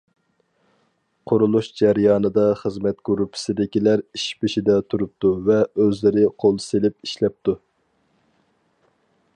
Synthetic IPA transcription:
qʰʊɾulˠuʃd͡ʒæɾjɑːnɨd̪ɑχəzmɛt̪̚ɡ̥uɾupʰɪ̥sɪd̪ɪkʲilæɾiʃpɪʃid̪ɛt̪ʰuɾup̚t̪uvɛøzlɪɾɪqʰolˠselɪp̚iʃlɛp̚t̪u

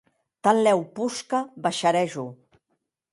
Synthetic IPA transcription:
t̪allɛwpuskaβaʃaɾɛʒu

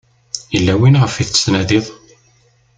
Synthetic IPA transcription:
əlːæwinʁəfiθt͡sːnæðiðˤ

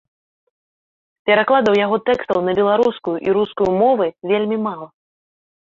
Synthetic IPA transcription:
pʲɛɾaklˠad̪ɐwjaɣɔt̪ɛkst̪ɐwnɐbʲɛlˠaɾuskujuʔiɾuskujumɔvɨvʲelʲmʲimalˠɐ

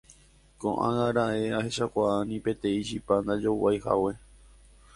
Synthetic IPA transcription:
kõʔã̰ɣaɾaeahe̞ʃakʷaanĩpẽ̞t̪ẽ̞iʃipand̪ad͡ʒowajha̰we̞

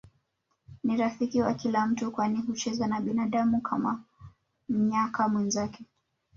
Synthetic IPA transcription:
niɾafikiwakilam̩tukwaniɦut͡ʃɛzanaɓinaɗamukʰama | m̩ɲakamwɛnzakɛ

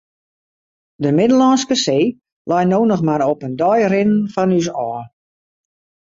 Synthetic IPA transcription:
dəmɪdəlɔnskəseː | lajnoːnɔxmaɾɔpəndɔjrɪnnfɔnys̬ɔː

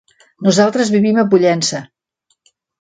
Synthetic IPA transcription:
nuzalˠt̪ɾəzβiβiməpuʎɛnsə

